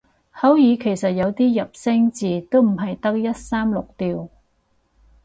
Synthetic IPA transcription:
hɐ˨˥wjiː˨˧kʰe˨˩jsɐ˨t̚jɐ˨˧wt̪iː˥jɐ˨p̚sɪ˥ŋt͡siː˨t̪o˥wm̩˨˩ɦɐ˨jt̪ɐ˥k̚jɐ˥t̚saː˥mlʊ˨k̚t̪iː˨˧w

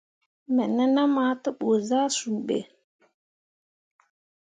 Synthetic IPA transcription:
mɛ˨nɛ˦na˦ma˨˦tə˦ɓo˨za˦su˨ɓḛ˨

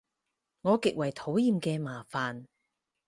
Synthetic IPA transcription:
ŋɔː˨˧kɪ˨k̚wɐ˨˩jt̪ʰo˨˥wjiː˨˧mkɛː˧maː˨˩faː˨n

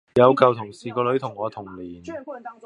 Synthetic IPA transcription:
jɐ˨˧wkɐ˨wt̪ʰʊ˨˩ŋsiː˨˩kɔː˧lɵ˨˥t̪ʰʊ˨˩ŋːɔː˨˧t̪ʰʊ˨˩ŋliː˨˩n

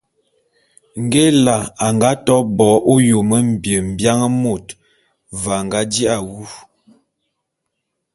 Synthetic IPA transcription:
ŋ̩˨ɡe˦la˨a˨ŋɡa˦tɔ˦bɔ˨˦ʔo˦jo˨mə˦m̩˨bjə˨m̩˨bja˦ŋə˦mo˦˨t | va˨ŋ˨ɡa˨˦di˦a˨wu˦

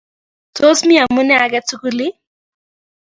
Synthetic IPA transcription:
to˦smi˦a˨mu˦nɛ˦a˨ɡɛ˦tu˦ku˦li˦

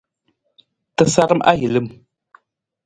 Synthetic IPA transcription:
tə˦sa˦ɾə˦mʔa̰˦ɦi˨lə˦m

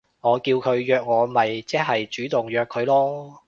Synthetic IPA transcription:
ŋɔː˨˧kiː˧wkʰɵ˨˧ɥjœː˧k̚ŋɔː˨˧mɐ˨jt͡sɛː˥ɦɐ˨jt͡ʃyː˨˥t̪ʊ˨ŋjœː˨˧kʰːɵ˨˧ɥlɔː˥

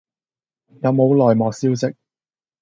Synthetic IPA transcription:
jɐ˨˧wmo˨˧wlɔː˨jmɔː˨k̚siː˥wsɪ˥k̚

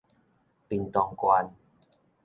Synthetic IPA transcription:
pi˧nt̪ɔ˧ŋkwa˧n

